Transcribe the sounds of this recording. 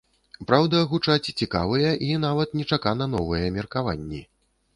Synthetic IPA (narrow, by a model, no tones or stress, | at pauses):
pɾawd̪ɐɣut͡ʂat͡sʲt͡sʲika̰vɨjɐʔinavɐt̪nʲɛt͡ʂakanɐnɔvɨjɐmʲɛrkava̰nʲːi